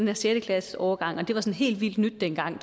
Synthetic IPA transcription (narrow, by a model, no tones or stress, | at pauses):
enæɐsjed̥əkʰlæsəɒʊɐɡ̥ɑ̈ŋ̰ɒ̽d̥e̝ʋɑ̈sɒ̽nɦe̝̰ːld̥ʋild̥nyd̥ːenɡ̥ɑ̈ŋ̰